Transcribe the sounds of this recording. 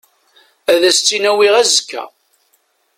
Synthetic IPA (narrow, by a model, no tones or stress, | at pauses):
æðæst͡sːinæwiʁæzkːæ̰